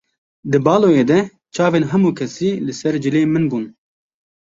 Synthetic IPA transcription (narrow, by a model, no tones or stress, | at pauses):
d̪ɨbɑːloːjeːd̪ɛ | t͡ʃʰɑːveːnɦɛmuːkʰɛsiːlɨsɛɾd͡ʒɨleːmɨnbuːn